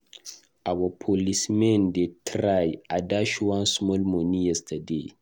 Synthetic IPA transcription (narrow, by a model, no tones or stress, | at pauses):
ʔawɐpʰolismɛ̃ndetʰɾajadaʃwãnsmɔlmɔnijɛstʰɐdḛ